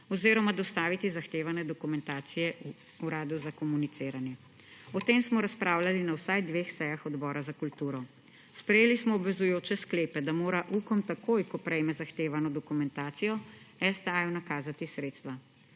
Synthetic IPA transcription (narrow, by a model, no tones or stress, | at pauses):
ɔziːɾɔmad̪ɔst̪aːʋit̪izaxt̪eːʋanɛd̪ɔkumɛnt̪aːt̪sijɛu | uɾaːd̪uzakɔmunit̪seːɾanjɛ | ɔt̪eːmsmɔɾaspɾaːwlalinawsajd̪ʋeːxsɛjaxɔd̪bɔːɾazakult̪uːɾɔ | spɾɛjeːlismɔːbʋɛzujoːt͡ʃɛskleːpɛd̪amoːɾaʔukɔmt̪akoːjkɔpɾɛjmɛzaxt̪eːʋanɔd̪ɔkumɛnt̪aːt̪sijɔɛst̪ajwnakaːzat̪isɾeːt̪st̪ʋa